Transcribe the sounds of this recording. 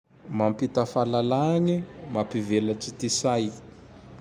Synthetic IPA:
mampit̪afalalanimapivelat͡sit̪isaj

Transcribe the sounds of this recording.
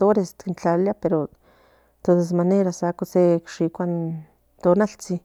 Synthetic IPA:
oɾest̪kint͡ɬaljapeɾo | t̪odes̬maneɾasakosekʃikʷan | t̪onalt͡si

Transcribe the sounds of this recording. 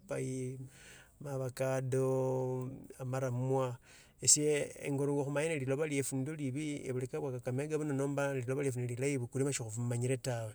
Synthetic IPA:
paji | maβakado | amaɾamwa | esjeḛŋɡoɾuŋɡoxumaɲanalilo̞βaliefundoliβieβulikaβwakakameɡaβunonoːmbaliloβaliefunelilajiβukulimaʃixufumaɲiɾetawe

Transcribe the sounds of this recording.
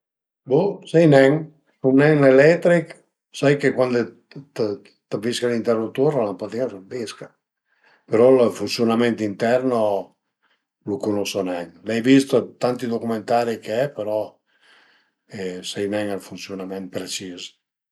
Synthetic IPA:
busɛjnɛŋ | suŋnɛŋlelɛt̪ɾik | sajkekwand̪e | t̪ | t̪aviskalint̪ɛɾnut̪uɾalampat̪iansobiska | peɾɔlfunsjunamɛ̃nt̪int̪ɛɾno | lukunosonɛŋlɛjbist̪at̪ant̪id̪okument̪aɾikeɛpeɾɔ | ɛsɛjnɛŋalfunsjunamɛ̃nt̪̚pɾet͡ʃis

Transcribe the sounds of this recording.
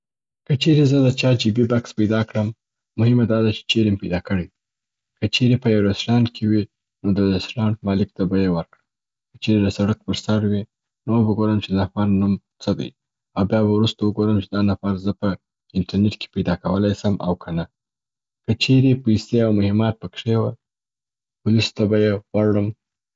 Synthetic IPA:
kət͡ʃeɾezəd̪ət͡ʃɑd͡ʒibibakspajd̪ɑkɽəmː | ʊhɪmad̪ɑd̪at͡ʃe̥t͡ʃeɾempajd̪ɑkəɽejd̪i | kət͡ʃeɾepəjawɾasɾɑnkʰewi | nod̪əɾasɾɑnmɑlɪk̚t̪abajewəɾkɽa | kə̥t͡ʃeɾeləsaɽak̚pəɾsaɾwi | nowəɡoɾəmt͡ʃed̪afɑnːum | t͡səd̪a̰j | awbjɑβawɾust̪awəɡoɾəmt͡ʃed̪ɑnafaɾzəpə | ɪnʈaɾneʈke̥pajd̪ɑkawəlɑjsəmʔa̰wkʰana | kət͡ʃeɾepajseawmʊhɪmɑt̪̚pəkʂewəl | pʊlist̪abajewaɽəm

